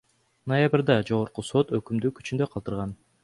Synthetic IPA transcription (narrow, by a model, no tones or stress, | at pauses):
nojabɾd̪ɑd͡ʒo̞ʁoɾquso̞t̪ø̞kymd̪yky̥t͡ʃynd̪øqʰɑlˠt̪ɯɾʁɑn